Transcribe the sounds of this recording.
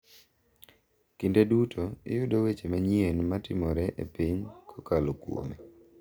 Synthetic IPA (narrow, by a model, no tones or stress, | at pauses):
kindedutʰoɪ̰jʊdowet͡ʃemaɲienmatɪmɔɾɛʔḛpiɲkʰɔkalokwo̰mi